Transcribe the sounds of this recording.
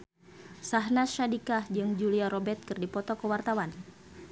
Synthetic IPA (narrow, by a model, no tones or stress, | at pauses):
saɦnaʃadikahd͡ʒɨŋd͡ʒuliaɾɔbɛt̪̚kɨrdipɔt̪ɔkəwart̪awan